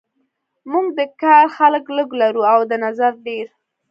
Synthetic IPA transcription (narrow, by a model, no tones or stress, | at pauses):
muɡd̪əkɑɾxaləkləɡlaɾuawd̪ənazaɾɖeɾ